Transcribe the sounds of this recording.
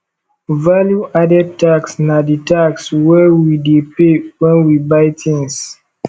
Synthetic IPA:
valjuadɛp̚taksnaditakswɛwidepewɛ̃nwibajtʰĩŋs

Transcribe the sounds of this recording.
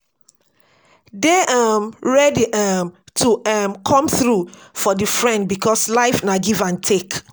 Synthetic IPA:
deʔamɹɛdiʔamtʰuamkʰɔ̃mθɹufɔdifɹɛ̃nd̚bikʰɔslaɪfnaɡivãntʰek

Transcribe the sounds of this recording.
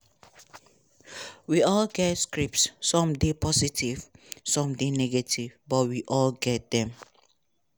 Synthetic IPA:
wiɔlɡɛtskɹipsːɔ̃mdepʰɔsitʰivsɔ̃mdenɛɡɛtʰivbɔt̚wiʔɔlɡɛt̚d̪ɛ̃m

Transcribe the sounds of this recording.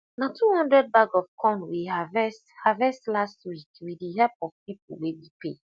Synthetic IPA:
natʰuhɔ̃ndɹɛd̚baɡɔfkʰɔ̃nwiavɛsthavɛstlastwikwidiɦɛpɔv̥pip̚ṵwewipḛ

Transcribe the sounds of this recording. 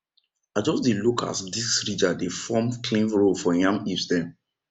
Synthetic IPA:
ad͡ʒɔsdilokʰa̰sdisɹid͡ʒadefɔmkʰlĩnvɹolfɔjãmisdɛ̃m

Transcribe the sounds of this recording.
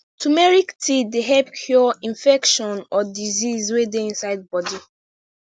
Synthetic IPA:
tumɛɹiktʰideɦɛbkʰjɔĩnfɛkʃɔ̃nɔdizizwedeĩnsaɪd̚bɔdi

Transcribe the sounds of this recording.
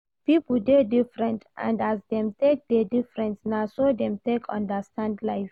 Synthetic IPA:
pipldedifɹɛ̃ntʔã̰ndasdɛ̃mtek̚dedifɹɛ̃ntnasodɛ̃mtekʰɔ̰̃ndəstʰãndlaɪf

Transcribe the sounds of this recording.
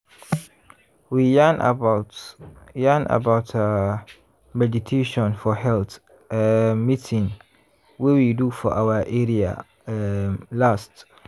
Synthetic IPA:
wijan̰atjãna̰baʊtʰa | vɛd͡ʒitʰeʃɔ̃nfɔhɛlt | mitʰĩŋ | wɛwidufɔʔawəʔeɹia̰ | last

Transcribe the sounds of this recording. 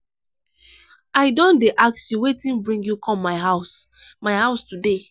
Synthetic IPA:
aɪdɔ̃ndeʔaksjuwetĩmbɹĩŋɡjukʰɔ̃mːaɪɦaʊsmaɪhaʊstude

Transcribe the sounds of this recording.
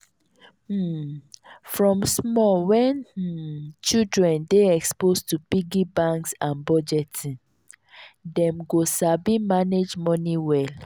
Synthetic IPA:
fɹɔ̃msmɔwɛn̩ | t͡ʃidɹɛ̃ndeɛkspostubiɡibãŋksãnbɔd͡ʒɛtĩŋ | dɛ̃mɡosabimaned͡ʒmɔniwɛl

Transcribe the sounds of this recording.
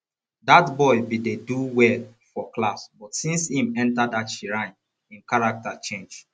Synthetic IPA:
datbɔɪbideduwɛl | fɔklasbɔtsĩnshĩmɛ̃ntadatʃiɹãɪ̃n | ĩnkaɹak̚tat͡ʃẽnd͡ʒ

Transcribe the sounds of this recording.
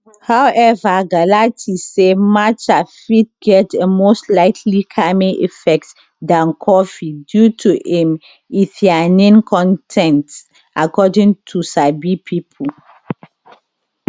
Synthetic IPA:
hawʔɛvaɡalatʰisemat͡ʃafit̚ɡɛtemostlaɪtʰlikʰamĩʔḭfɛk̚t | dãnkʰɔfidjutʰuʔẽm | iθianĩnkʰɔ̃ntʰɛ̃nt | ʔakɔdĩŋtʰusabipʰipʰu

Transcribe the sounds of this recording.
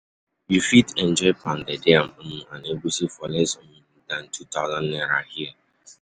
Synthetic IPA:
jufitɛ̃nd͡ʒɔɪpʰãndedeam̩m̩aneɡusifɔlɛsɔm̩dãn̩tʰutaʊzãnnɛɾahia

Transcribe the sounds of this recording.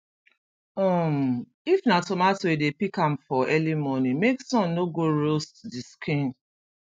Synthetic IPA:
ɔm̩ | ifnatomatoedepikam̩fɔɛlimɔnimeksɔ̃nːoɡoɾostdiskʰĩn

